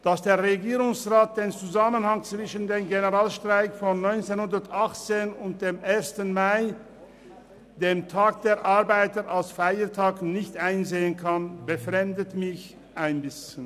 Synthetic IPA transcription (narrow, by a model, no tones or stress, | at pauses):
d̥asd̥eːɐʁeɡiːʁʊŋsʁaːt̚d̥eːnt͡suzamənhaŋt͡sv̥ɪʃəndeːmɡenəʁaːlʃtʁ̥aɪkfɔnːɔʏnt͡senhʊndəɐtʔaχt͡seːnʊnt̚d̥eːmʔeːɐstənmaɪ | d̥eːmtʰaːk̚d̥eːɐʔaɐbaɪtəʁʔalsfaɪətʰaːknɪçtʔaɪnzeːənkʰanbəfʁɛmdətmɪç | ʔaɪnbɪsçən